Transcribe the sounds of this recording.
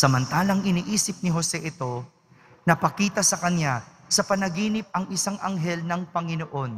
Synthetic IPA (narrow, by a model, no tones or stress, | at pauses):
sɐmɐnt̪aːlɐŋʔɪniːʔiːsɪp̚nɪɦo̞sɛʔɪt̪o̞ | nɐpɐkiːt̪ɐsɐkɐnja | sɐpɐnɐɡiːnɪp̚ɐŋʔɪsaŋʔɐŋɦɛlnɐŋpɐŋɪnoʔo̞n